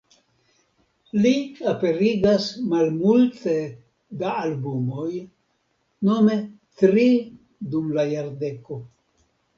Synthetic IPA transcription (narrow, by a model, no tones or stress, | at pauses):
liape̞ɾiɡasmalmulte̞ | daːlbumo̞j | no̞me̞ | tɾi | dumlajaɾde̞ko̞